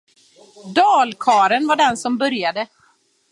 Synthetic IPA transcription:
d̪ɑːlkʰɑːɾənvaɖɛnsɔmbœɾjad̪ə

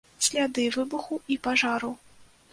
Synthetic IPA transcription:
sʲlʲad̪ɨvɨbuxuipaʐaɾu

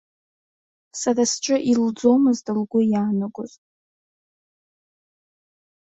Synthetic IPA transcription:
sarasʈ͡ʂʷʼɨʔild͡zo̞mɨzdɨlɡʷʊjaːnaɡʷʊzʼ

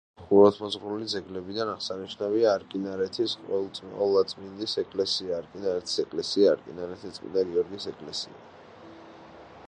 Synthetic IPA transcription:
χuɾɔt̪ʰmɔzʁɾulid̪zɛɡlɛbid̪anaʁsaniʃnaviaːɾkʼinaɾɛt̪ʰisqʼɔ̰ɛlˠt̪sʼmiɔlˠat̪sʼmind̪isɛkʼlɛsiaːɾkʼinaɾɛt̪ʰi̥sɛkʼlɛsiaːɾkʼinaɾɛt̪ʰit̪sʼmḭnd̪aɡɛɔɾɡisɛkʼlɛsḭa̰

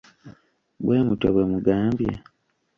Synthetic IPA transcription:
bwe̞ːmutaβwemuɡaːmbja̰

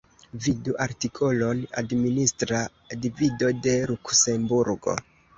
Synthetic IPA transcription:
viduʔaɾtikʰo̞lo̞na̰dministɾa | divido̞de̞lukse̞mbuɾɡo̞̰

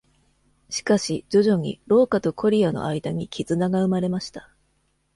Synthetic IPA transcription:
ɕi̥kaɕid͡ʑo̞ʑo̞ɲ̟ḭɾo̞ːkat̪o̞kʰo̞ɾʲiano̞̰ʔaid̪aɲ̟ikʲizɨnaɡaɯ̟maɾe̞maɕi̥t̪ḁ

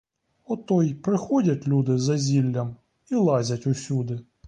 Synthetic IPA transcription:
ɔt̪ɔjpɾɪxɔdʲɐtʲlʲud̪ɪzɐzʲilʲːɐm | ilˠɑzʲɐtʲʊsʲud̪ɪ

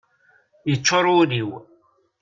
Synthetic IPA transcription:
jət͡ʃːoɾˤʊliw

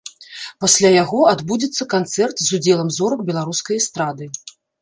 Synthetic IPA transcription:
pasʲlʲajaɣɔad̪bud͡zʲit̪sːɐkant̪sɛrt̪zud͡zʲɛlˠɐmzɔɾɐkbʲɛlˠaɾuskɐjɐst̪ɾad̪ɨ

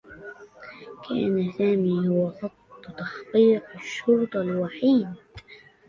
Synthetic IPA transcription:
kʰa̰ːnasaːmiːhʊwasˤɑt̪ˤːt̪ɑħqiːqɪʃːʊɾt̪ˤɑlwaħiːd̪

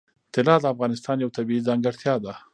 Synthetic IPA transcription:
t̪ɪlɑd̪əafɣɑnɪst̪ɑnjawt̪abiizɑŋɡaɽt̪ʰjɑd̪a

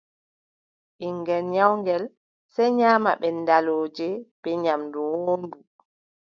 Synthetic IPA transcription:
ʔiŋɡɛnɲawŋɡɛl | sɛjɲaːmaɓɛndaloːd͡ʒɛb̥ɛɲamdɔwoːndu

